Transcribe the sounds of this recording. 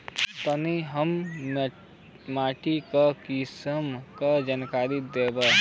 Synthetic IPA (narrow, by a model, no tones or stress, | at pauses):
t̪əniɦəm | maːʈikakisəmkad͡ʒənkaːɾid̪eːba